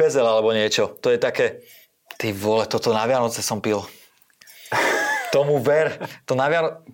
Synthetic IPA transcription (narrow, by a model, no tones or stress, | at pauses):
ɛzɛlalɛbɔɲɪɛt͡ʃɔt̪ɔjɛt̪akɛː | t̪iʋɔlɛt̪ɔt̪ɔnaʋɪanɔt͡sɛsɔmpil | t̪ɔmuʋɛɾt̪ɔnaʋɪan